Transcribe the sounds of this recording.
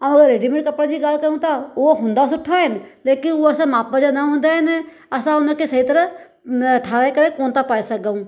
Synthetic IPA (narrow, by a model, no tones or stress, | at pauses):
əməɡəɾeːɖimɪ̃ɳʈkəpɽad͡ʒiɡaːlkəɾũt̪aoːɦʊ̃nd̪asʊʈʰːaɦɪnleːkɪnoəsãmaːp̚bəd͡ʒanaɦʊ̃nd̪aɦɛn | əsãʊnãkesɐɦit̪əɾə | əʈʰaːɾaekəɾẽkoːnt̪apaːisək̚aũː